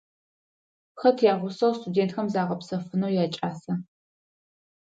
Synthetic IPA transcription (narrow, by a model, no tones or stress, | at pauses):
xɐtʰjaːʁʷʊsɐwstʰʼudeːntxɐmzaːʁɐpsɐfɨnɐwjaːt͡ʃʼaːsɐ